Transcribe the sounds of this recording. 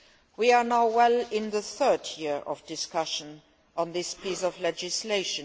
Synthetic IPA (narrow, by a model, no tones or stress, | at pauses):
wianaʊwɛlɪ̃nðəθɜ˞djiɹɔ̰vdɪskʰʌʃə̃n | ʔə̃nðɪspʰiːsɔvlɛd͡ʒɪsleɪʃə̃